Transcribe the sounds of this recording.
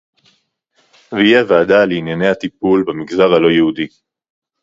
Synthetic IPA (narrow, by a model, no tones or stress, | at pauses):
vijevaaːdaleinjane̞hat̪ipulbemiɡzaʁalo̞jehudi